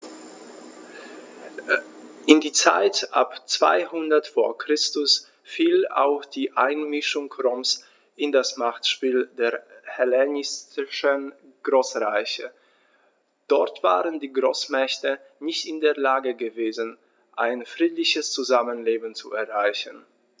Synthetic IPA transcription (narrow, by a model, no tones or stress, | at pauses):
ʔɪndiːt͡sa̰ɪtʔa̰pt͡sv̥a̰ɪhʊndɐtfoːɐkʁ̥ɪstʊs | fiːla̰ʊxd̥iːʔaɪnmɪʃʊŋkʰʁɔms | ʔɪndasmaχtʃpiːldeːɐhɛlɛnɪstɪʃən | ɡ̥ʁoːsʁaɪçə | d̥ɔɐtv̥a̰ːʁəndiːɡʁoːsmɛçtə | nɪçtɪndeːɐlaːɡəɡəveːzən̩ | ʔaɪnfʁ̥iːtlɪçəst͡suzamənleːbn̩t͡suɛɐʁaɪçən